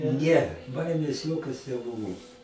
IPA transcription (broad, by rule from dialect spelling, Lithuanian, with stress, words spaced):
ˈnʲɛ ˈbɐɪmʲeːs ˈjoːkʲoːs nʲɛˈbʊʋoː